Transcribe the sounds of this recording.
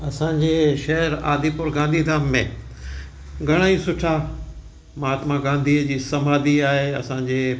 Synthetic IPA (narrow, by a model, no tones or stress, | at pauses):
ɐsãɲd͡ʑeːʃɐɦəɾa̰ːd̪ʱipʊɾɡãːnd̪ʱiːd̪ʱaːmːẽ | ɡʱɐɽ̃aːisʊʈʰa | maːt̪mãɡãːnd̪ʱiəd͡ʑiːsɐmaːd̪iaːɦeɐsãːɲd͡ʑeː